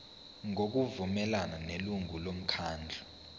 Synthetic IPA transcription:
ŋok̬uvumɛlananeluŋulom̩kʰaːnd͡ɮʱɔ

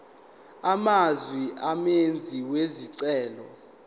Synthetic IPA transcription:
amazwiʔamend͡zʱiweziǀɛːlɔ

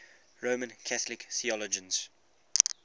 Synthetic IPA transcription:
ɹoːmə̃nkʰaθəlɪkθiɔlɔd͡ʒə̃nz̥

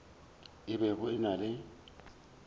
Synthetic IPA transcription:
ɪbɛɣʊɪnalɪ

